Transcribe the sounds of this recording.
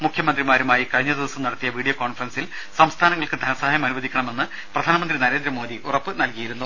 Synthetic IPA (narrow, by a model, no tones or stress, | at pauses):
mukʰjɐmɐnd̪rimaːɾumaːjikɐɻiɲːɐd̪iðɐsɐmnɐɽɐt̪ːijɐʋiːɽijɐko̞ːnfrɐnsil | sɐmst̪ʰaːnɐŋːɐɭkɨd̪ʱɐnɐsɐɦaːjɐmɐnuʋɐd̪ʱikʲːɐɳɐme̞nːɨ | prɐd̪ʱaːnɐmɐnd̪rinɐɾe̞ːnd̪ɾɐmo̞ːd̪iʔurɐpːɨnɐlkijiɾunːu